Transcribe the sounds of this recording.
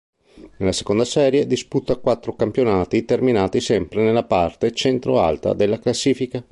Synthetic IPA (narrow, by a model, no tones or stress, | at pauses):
nelːase̥kond̪asɛːɾjed̪isput̪ːakwat̪ːɾokampjonaːt̪it̪erminaːt̪isɛmpɾenelːapart̪et͡ʃɛnt̪ɾo̰a̰lt̪a̰d̪elːaklasːiːfika